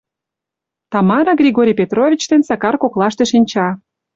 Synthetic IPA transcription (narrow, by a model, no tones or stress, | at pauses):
t̪ɑmɑɾɑɡrʲiɣoɾʲijpʲet̪rovʲit͡ɕt̪ensɑkɑrkoklɑʃt̪ĕʃinʲt͡ɕɑ